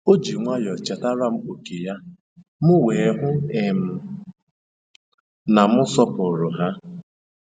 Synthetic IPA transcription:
o˦d͡ʒi˨ŋʷa˦jɔ˨t͡ʃa˨ta˦ɾa˦m̩˦o˨ke˨ja˦ | mʊ˦we˨˦ɦʊ˦e˨m̩˨ | na˨mʊ˦sɔ˦pʊ˨ɾʊ˨ɦa˦

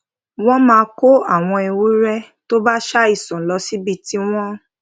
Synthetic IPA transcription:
w̃ɔ̃˦mãː˧ko˦a˦˨w̃ɔ̃˧e˨˧wu˨˦ɾɛ˦ | to˦ba˦ʃa˦i˦˨sɔ̃˨lɔ˧˦si˦bi˧ti˦w̃ɔ̃˦

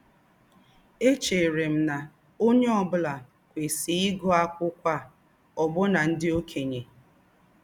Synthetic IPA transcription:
e˦t͡ʃe˨ɾe˨m̩˦na˨ | o˦ɲe˦ɔ˦bʊ˦la˨ | kʷe˨si˨ɪ˦ɡɔ˦a˦kʷʊ˦kʷa˦ | ɔ˨bʊ˦na˨n̩˦dɪ˦o˦kʰe˨ɲe˨

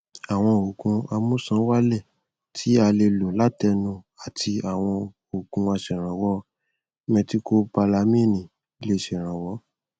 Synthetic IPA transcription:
a˨w̃ɔ̃˧o˨kũ˧a˧mũ˦sã˨˦wa˦lɛ˦˨ | tʰi˨˦a˧le˧lo˨la˦tɛ˧nũ˧ | a˨tʰi˧a˨w̃ɔ̃˧ | o˨kũ˧a˧ʃɛ˨ɾ̃ã˨wɔ˨˦ | mɛ̃˧ti˧ko˧pa˧la˧mĩ˦˨nĩ˨ | i˧le˦˨ʃɛ˨ɾ̃ã˨wɔ˨˦

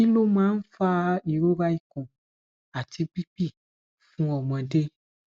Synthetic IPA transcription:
i˦lo˦mã˦n̩˦fa˦i˨ɾo˦ba˦ji˦kɔ̃˨ | a˨ti˧pi˦pi˦˨ | fũ˦ɔ˨mɛ̃˨de˦

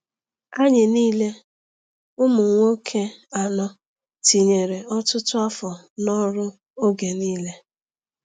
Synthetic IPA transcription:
a˦ɲɪ˨niː˦le˦ | ʊ˦mʊ˨ŋ̩˦ŋʷo˦kʰe˦a˨nɔ˦ | ti˨ɲe˨ɾe˨ɔ˦tʊ˦tʊ˦a˦fɔ˨ | nɔ˦ɾʊ˦ | o˦ɡe˨niː˦le˦

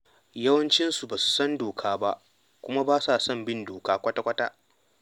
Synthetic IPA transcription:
jɐ˦wɐ˦nt͡ʃɪ˦nsu˨baː˨su̥˨sɐ˦ndoː˨kʰaː˦ba˦ʔ | kʷʊ˦ma˦baː˦sa˨sɐ˦˨mbɪ˦ndoː˨kaː˦kʷɐ˦ta˦kʷɐ˦ta˦

